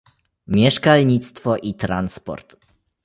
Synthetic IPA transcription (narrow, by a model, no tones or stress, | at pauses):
mʲjɛʂkalɲit̪st̪fɔʔit̪ɾanspɔ̰ɾt̪